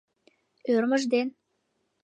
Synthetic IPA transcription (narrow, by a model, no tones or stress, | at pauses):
ørməʒd̪en